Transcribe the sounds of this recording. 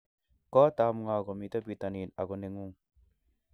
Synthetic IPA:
kɔ˦t̪a˨˧mŋa˨ɡɔ˨mi˨t̪a˦bi˨t̪a˨ni˨na˨ɡɔ˨ne˧ŋu˦˨ŋ

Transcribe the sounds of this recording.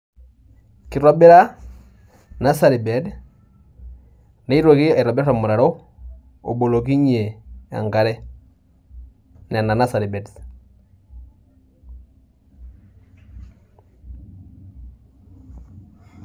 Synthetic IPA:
ki˨ɾɔ˦bɛ˦ɾa˦ | na˦sa˨ɾi˨bɛ˨˦d | ne˦i˦ɾwo˨ki˦a˨i˨ɾɔ˨bɛ˦ɾɾa˨mu˨ɾa˨ɾɔ˦ | o̰˨bo˨lo˨k̬i˦ɲe˨a̰˨ŋɡa˨˦ɾɛ˦ | nɛ˨na˨na˦sa˨ɾi˨bɛ˨d

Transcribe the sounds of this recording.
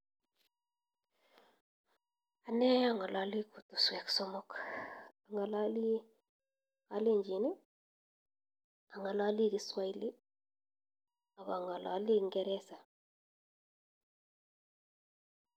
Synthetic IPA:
a˨nɛ˦ja˦˨ŋɔ˨la˨li˦ku˨tu˨swɛ˨ksɔ˦mɔ˦k | a˨ŋɔ˨la˦li˦ | a˦le˦˨ɲd͡ʒi˨nɪ˦ | a˨ŋa˨la˦li˦ɾi˦swa˦i˦lɪ˦ | a˨βa˨ŋɔ˨lɔ̰˨˦lɪ˦ŋɡɛ˦ɾɛ˦sa˨

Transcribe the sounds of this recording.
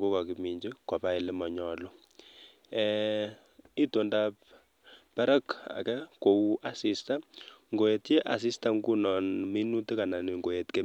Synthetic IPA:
ko˦ka˨ki˨mi˨ɲd͡ʒe˦ka˨pa˦ɪ˨lɛ˦mɔ˨ɲɔ˨lɔ˦ | ɛ | i˦to˨ndap | pɛ˦ɾa˦ka̰˨kɛ˦ko˨u˦ʔa˨si˦sta˦ŋɡo˨je˨tje˦ʔa̰˨s̬i˦sta˦ŋɡu˦nɔ˨nmi˦nu˦tɪ˦ka˨na˨nɪ˨ŋɡo˨je˨tke˦

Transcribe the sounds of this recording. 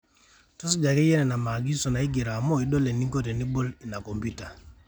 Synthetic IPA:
to˦s̬i˦d͡ʒa˨ke˦jɛ˦nɛ˨na˨ma˨ɡi˦sɔ˨na˨i˦ɡi˨ɾa˨mɔ˦i˨do˦le˨ni˦ŋɡo˦te˨ni˦bo˦li˨na˨ko˨mbu˦ta˨

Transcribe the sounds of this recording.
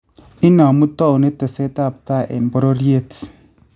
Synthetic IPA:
i˦na˨mu˦ta˦u˨ne˦te˨se˦ta˦˨p̚ta˦˨ʔḛ˨mbo˦ɾo˦ɾje˦˨t

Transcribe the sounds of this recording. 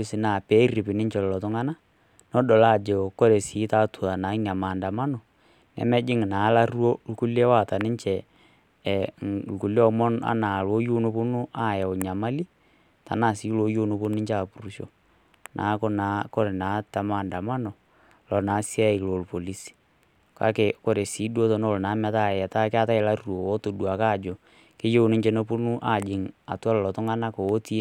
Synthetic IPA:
i˦si˨na˨pɛ˦ri˨pɪ˨nɪ˦ɲt͡ʃɛ˨lɔ˨lɔ˨tʊ˦ŋa˦na˦ | nɔ˦ɗɔ˨la˦˨d͡ʒɛ˨kɔ˦ɾɛ˨si˨˦ta˦tu˨ða˨na˨˦ɲa˨maː˨nda˨ma˦nɔ˨ | nɛ̰˨mɛ˦d͡ʒɪ˦ŋ˨naː˨˦la˦rwo˦lku˦lɛ˦wa˦˨ta˨nɪ˦ɲt͡ʃɛ˨ | lku˨lɔ˦mɔ˦na̰˦na˨lo˨˦jo˦nu˦po˦nʊ˦ʔa˦˨jɛ˨ʊ˨ɲa˨ma˦li˦ | ta̰˨na˦˨si˨˦lo˦jo˦no˨po˦n˦nɪ˦ɲt͡ʃa˨pu˨ɾu˦ʃo̰˨ | nʔa̰˨˦ko˦na˨˦ko˦ɾe˨na˨˦ta˨ma˦˨nda˨ma˦nɔ˨ | lɔ˨naː˨˦si˦a˦i˨klo˨lpo˨li˦s | ka̰˦ke˨ko˦ɾe˨si˨˦du˦o˦to˨no˦˨lna˨˦mɛ˦ta˦˨ɛ˨ta˦kɪ˦a˦ta˦ɪ˨la˦ru˨o˨o˦to˨du˨a˨ka˦˨d͡ʒo˨ | ke˦jo˦nɪ˦ɲt͡ʃe˦no˦po˦nu˦ʔa˨d͡ʒɪ˨ŋa̰˨twa˦llɔ˨tɔ˦ŋa˦na˦ko˨wːti˦

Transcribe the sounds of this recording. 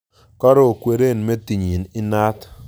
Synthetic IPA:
kɔ˦ɾɔ˦o˨kwe˨ɾe˦˨nme˦ti˨ɲi˨nɪ˦na˦t

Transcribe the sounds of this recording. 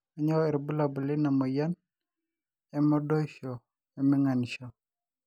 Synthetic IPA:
a˨ɲɔ˦ɛ˨ɾbu˦la˨bʊ˨lɪ˦na˨mɔ˨ja˦n | ja˦mɔ˦do˦ʃɔ˨ | ja˨mɪ˦ŋa˨nʃɔ˨

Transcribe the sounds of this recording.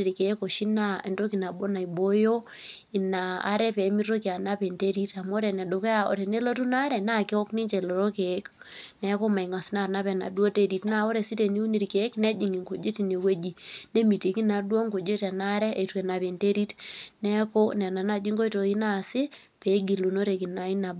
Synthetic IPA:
i˨ɾke˨˦ko˨ʃi˦na˦e˨nto˦ki˨na˨bo˦na˨i˨bo˦jo˦ | i˨na˨a̰˦ɾɛ˦pɛ˨˦mi˦ro˦ki˨a˨na˦pe˨nte˦ɾi˦ta˨mo˦ɾɛ˨nɛ˨do˨ke˦a˦o̰˨ɾɛ˨ne˦lo˦tu˦na˦ɾɛ˨na˦ke˦ɔ˦kni˦ɲt͡ʃɛ˨lo˨ɾo˦ke˨˦k | nɛ˦ko˦ma˨i˨ŋa˨si˦na˨na˦pɛ˨na̰˨dwo˦te˦ɾi˨tna˦˨o˦ɾɛ˨si˦te˨ni˦u˦ni˨ɾke˨˦knɛ˦d͡ʒi˨ŋɡi˨ŋɡo˨d͡ʒe˦ti˨ne˨we˦d͡ʒi˦ne˦mi˨ti˨ki˦na˨dwo˦ŋko˨d͡ʒe˦tɛ˨na˦ɾɛ˦ʔe˨twɛ˨na˨pe˨nte˦ɾi˦tnɛ˦ko˦nɛ˨na˨na˦d͡ʒi˦ŋɡo˦i˦to˨i˦na˦˨sɪ˦ | pɛ˨˦ɡi˨lu˨no˦ɾe˨ki˨na˨i˦na˨bo˨

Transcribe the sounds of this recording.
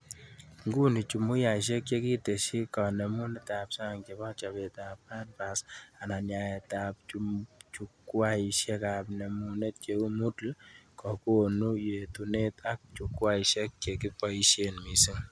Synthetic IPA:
ŋɡu˦ni˨t͡ʃu˨mu˦ja˨ʃ̬e˦k̚t͡ʃe˦ki˦te˨ʃi˦kɔ˨nɛ˨mu˦nɛ˦ta˨psa˦˨ŋke˨ba˦t͡ʃa˨pɛ˨tap̚ːa˦d̚ba˨sa˨na˨nja˨e˨tap̚t͡ʃut͡ʃu˦kwa˦i˨ʃɛ˦ka˨pnɛ˨mu˦ne˦t̚t͡ʃe˨ku˦mu˦tlkɔ˨ko˦˨nu˦je˨tu˨ne˦ta˦k̚t͡ʃu˨kwa˦i˨ʃɛ˦k̚t͡ʃe˨ki˦pɔ˦i˦ʃjenmi˨si˦ŋ

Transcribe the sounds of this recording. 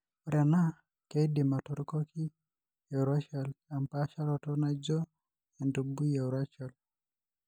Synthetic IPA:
u˨ɾa˨na˦ | ke˦di˨ma˨tɔ˦ɾkɔ˦ki˦ | jɛ˨ɾa˦t͡ʃa˨la˨mpa˦ʃa˦ɾɔ˨tɔ˦na˦d͡ʒɔ˦ | ja˨ndu˨bu˦jɛ˨ɾa˦t͡ʃɔ˨l

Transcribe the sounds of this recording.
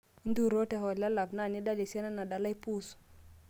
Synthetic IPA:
i˦ndu˦˨ɾo˦tɛ˨ɦɔ˨la˦la˨bna˦˨ni˦da˦li˨sɛ˦na˦na˨da˨la˦i˦pu˦s

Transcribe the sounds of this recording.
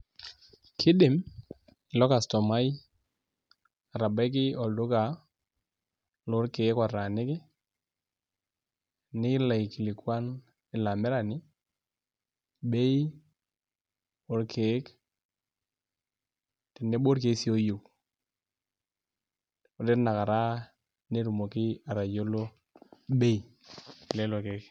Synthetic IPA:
kʰɪ˦ɗɪ˨m | ɪ˨lɔ˦ka˨stɔ˨ma˦j | a˨ɾa˨ba˦k̬ɪ˦ɔ˨ldʊ˦ka˨ | lʊ˦ɾke˨˦kwa˨ra˨nɪ˦kɪ˦ | nɪ˦la˨ki˨lɪ˨kwa˦n | ɪ˨la˨mɪ˦ɾa˨nɪ˦ | ɓe˦j | o˦ɾkʰe˨˦k | tɪ˨nːe˦bo˦ɾke˨˦si˦o˦jo˨ | o˨ɾɪ˦ɾna˨ka˨ɾa˦ | ne˦ɾu˨mo˨kɪ˦a˨ɾa˨jo˦lo˦ | ɓe˦i˨ | ɪ˨le˦lo˨ke˨˦k

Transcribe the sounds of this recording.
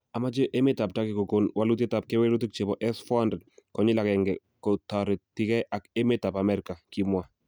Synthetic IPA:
a˨ma˦t͡ʃe˦ʔe˦me˦ta˨p̚ta˦ke˨ko˨ko˨nwa˦lu˦t̬e˦ta˨p̚ke˦we˦ɾu˦t̬i˦k̚t͡ʃe˨bɔ˨ʔɛ˦sfɔ˦ha˦ndɾɛ˨d̚kɔ˨ɲɪ˦la˨kɛ˨ŋɡɛ˨ | ko˨ta˨ɾe˨tɪ˦kɛ˦ʔa˨ke˦me˦ta˨pa˨mɛ˦ɾɪka˨ki˦mwa˦

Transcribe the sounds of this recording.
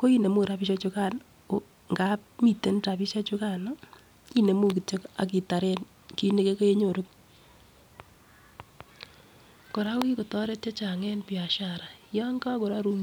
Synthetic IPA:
ko˦i˦ne˨mu˦˨ɾa˦pi˦ʃa˦t͡ʃu˦ka˦˨n | o˨ | ŋɡa˦p̚mi˨te˦n˦ta˨pi˦ʃa˦t͡ʃu˦ka˨nɔ˦ | i˦ne˨mu˦ki˨t͡ʃe˦ka̰˨k̬i˨ta˨ɾɛ˦n | ki˦ne˦ke˦ko˦je˦ɲo˨ɾo˦k̚ | ko˨ɾa˦wi˦ko˨tɔ˦ɾe˦tt͡ʃe˦t͡ʃa˨ŋɛ˦npi˨a˨ʃaɾa˨jɔ˦ŋɡa˦ko˨ɾa˦ɾu˦m

